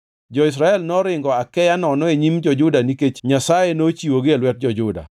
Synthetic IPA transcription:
d͡ʒɔɪs̬ɾaɛlnɔɾɪŋɡɔakɛjanɔnɔeɲimd͡ʒɔd͡ʒʊdaniket͡ʃɲasajenot͡ʃiwoɡɪelwɛt̚d͡ʒɔd͡ʒʊda̰

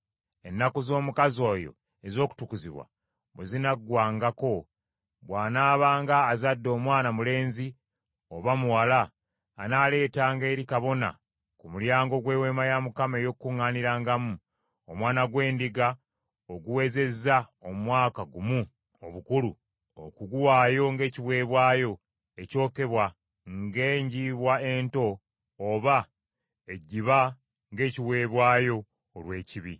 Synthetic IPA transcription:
e̞nːakozo̞ːmukazo̞ːjo̞̰ | e̞zo̞ːku̥tukuziβwa̰ | βwezinaɡwaːŋɡako̞ | βwaːnaːβaːŋɡaːzadːo̞ːmwaːnamule̞ːnzi | oβamuwalaː | nale̞ːtaːŋɡe̞ːɾikaβo̞na̰ | kumuljaːŋɡo̞ɡwe̞ːwe̞ːmajamukame̞jo̞kːuŋːaːniɾaːŋɡamu | omwaːnaɡwe̞ːndiɡa | oɡuwe̞ːze̞zaomwaːkaɡumu | o̞̰βukulu | o̰kuɡuwaːjo̞ŋɡe̞ːciβwe̞ːβwaːjo̞ | e̞co̞ːke̞βwa | ŋɡe̞ːɲɟiːβwae̞ːnto̞ː | βa | e̞ɟːiβa | ŋɡe̞ːciβwe̞ːβwaːjo̞ː | lwe̞ːciβi

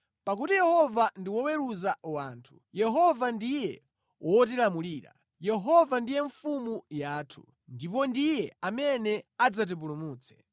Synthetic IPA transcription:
pak̬utijɛhɔvandiwɔwɛɾuzawaːntʰu̥ | jɛɦɔvandijɛ | wʔɔt̬ilamuliːɾa̰ | jɛɦɔvandijɛɱfumujaːtʰu | ndipɔndijɛamɛnɛad͡zat̬ip̬ulumuːt͡sʰɛ̥

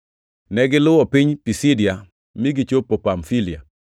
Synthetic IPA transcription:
nɛɡɪlʊwɔpiɲpisidja | miɡit͡ʃopːopamfilɪa̰

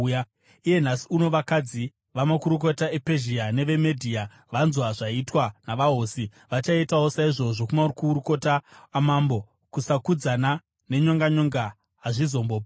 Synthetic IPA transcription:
ja | ije̞n̤asiuno̞ʋakad͡zi | ʋamakuɾuk̬o̞tae̞pe̞ʒiane̞ʋe̞medʱiːa | ʋanzwaʐaitwanaʋaɦoːsi | ʋat͡ʃaitao̞saiʐo̞ʐo̞kumaurikuuɾuko̞taːmambo̞ | kusakud͡zana | ne̞ɲo̞ŋɡaɲo̞ŋɡa | ɦaʐizo̞mboːba

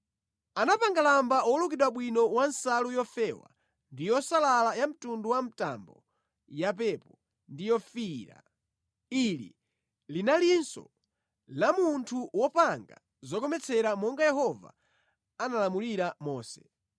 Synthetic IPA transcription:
anapaŋɡalambaɔlukiɗwaɓwinɔwansalujɔfɛwa̰ | ndijɔsalalajam̩tunduwam̩ta̰mbɔ | japɛpɔ | ndijɔfiɾa̰ | ilḭ | linalinsɔ̰ | lamuntʰuwɔpaŋɡa̰ | zɔk̬ɔmɛt͡sʰɛɾamɔŋɡajɛhɔva̰ː | nalamuliɾamɔːsɛ

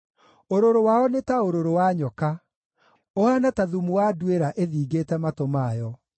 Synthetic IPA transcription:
oɾoɾowaɔnetaoɾoɾowaɲɔka | oanataðumuwadweɾaʔeðiːɡetɛmatomaːjɔ

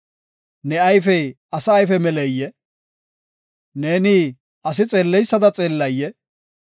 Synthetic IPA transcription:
nɛɐjfɛj | ɐsɐːjfɛmɛlɛjːɛ | ne̞ːniː | ʔɐs̬ɪt͡sʼe̞ːlːɛjsːɐd̪ɐt͡sʼe̞ːlːɐjːɛ

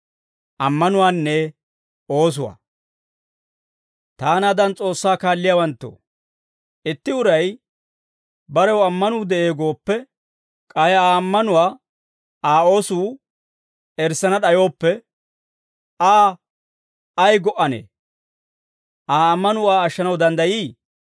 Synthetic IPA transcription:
ʔɐmːɐnʊwaːnːɛ | oːs̬ʊwa̰ː | t̪aːnaːd̪ɐnt͡sʼo̞ːsːaːkaːlːɪjaːwɐnt̪ːo̰ː | ʔɪt̪ːɪʊɾɐj | bɐɾɛwɐmːɐnuːd̪ɛʔe̞ːɡo̞ːpːɛ | kʼɐjaːɐmːɐnʊwaː | aːo̞ːsuː | ɛɾsɐnɐɗɐjo̞ːpːɛ | aː | ɐjɡɔʔːɐnḛː | ʔaːɐmːɐnʊaːɐʃːɐnɐwd̪ɐnd̪ɐjiː

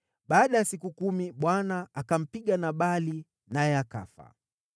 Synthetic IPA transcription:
ɓaːɗajasikukumiɓwanaakam̩piɠanaɓali | najɛaka̰fa̰

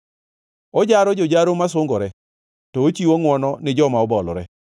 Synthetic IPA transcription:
ɔd͡ʒaɾɔd͡ʒod͡ʒaɾomasʊŋɡɔɾɛ | tɔot͡ʃiwoŋwɔnɔnɪd͡ʒɔmaɔbɔlɔɾɛ̰

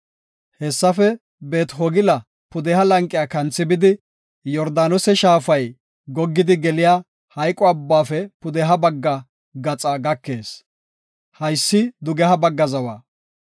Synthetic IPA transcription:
hɛsːɐfɛ | be̞ːt̪ɦɔɡɪlɐ | pʊd̪ɛhɐlɐŋkʼːɪjaːkɐnt͡sːɪbɪd̪ɪ | jɔɾd̪aːnɔsɛʃaːfɐj | ɡɔɡːɪd̪ɪɡɛlɪjaː | hɐjkʼːɔɐbːaːfɛpʊd̪ɛɦɐbɐɡːɐ | ɡɐt͡sʼaɡɐkːe̞ːs | hɐjsːɪd̪ʊɡɛhɐbɐɡːɐzɐwa̰ː

